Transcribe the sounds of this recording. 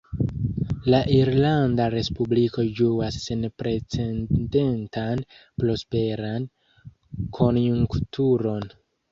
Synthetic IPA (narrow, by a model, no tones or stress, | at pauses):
laʔiɾlandaɾe̞spubliko̞d͡ʒuasːe̞npɾe̞t͡se̞nde̞ntʰanplo̞spe̞ɾan | kʰo̞njuŋktʰuɾo̞n